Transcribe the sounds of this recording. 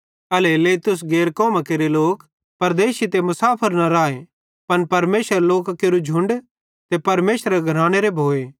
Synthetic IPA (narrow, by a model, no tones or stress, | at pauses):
ɐleleːt̪ʊs̬ɡeːɾkɔːmakeːɾeloːk | pɐɾd̪eːʃit̪emʊsaːpʰəɾnɐɾaːe | pɐnpɐɾmeːsəɾloːkkeɾud͡ʒʱʊ̃ɳɖ | t̪epɐɾmeːsɾeɡʱɐɾaːɽ̃eɾebʱoːeː